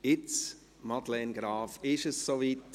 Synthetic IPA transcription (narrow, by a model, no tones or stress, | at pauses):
ɪt͡s | mɑd̪lɛnɡɾɑːfɪʃəssovit